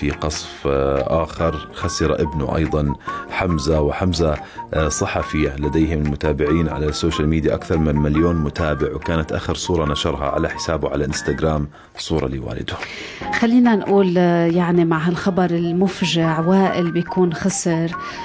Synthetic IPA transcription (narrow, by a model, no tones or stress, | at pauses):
fiqɑsˤfʔaːxɪɾˤxasɪɾˤa̰ʔɪbnʊ̰ʔɑ̰jðˤɑnħamzawɪħamza | sˤɨħɑfijaʕnilad̪eːɦɪmɪlmʊt̪aːbɪʕiːnʕa̰lasːoːʃalmiːd̪jaʔakθɑɾˤmɪnmɪljoːnmʊt̪aːbɪʕwkaːnat̪ʔa̰ːxɪɾsˤuːɾˤɑnaʃɑɾˤɦɑ̰ʕa̰laħɪ̥saːbʊʕalaʔɪnst̪aɡɾaːm | sˤuːɾˤɑ̰lḭːwa̰ːlɪ̰d̪ʊ | xalːiːnanʔuːljaʕnimaʕɦalxɑbɑɾˤɪlmʊfʒaʕwaːʔɪlbjakuːnxɑsɪɾ